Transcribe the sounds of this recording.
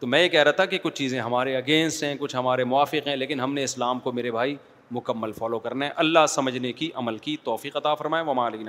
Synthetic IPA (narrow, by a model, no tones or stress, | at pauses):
t̪omɛ̃ːjekɛɦɾaat̪ʰakekʊt͡ʃʰt͡ʃiːzẽɦɐmaːɾeɐɡẽːnsɦɛ̃kʊt͡ʃʰɦɐmaːɾemʊʋaːfɪqɦɛ̃leːkɪnɦɐmneɪslaːmkomeːɾebʱaːi | mʊkəmːəlfɔːlokɐɾnaɦɛ̃ʔɐlːasɐməd͡ʒʱnekiʔɐməlkit̪ɔːfiːqɐt̪afɐɾmaːẽʋɐmãliːnã